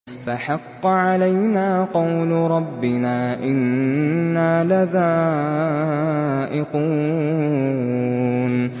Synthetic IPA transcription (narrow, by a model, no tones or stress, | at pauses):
faħɑqːʕalajnaːqɑwlɾˤɑbːɪnaːʔɪnː | aːlaðaː | ʔɪquː | n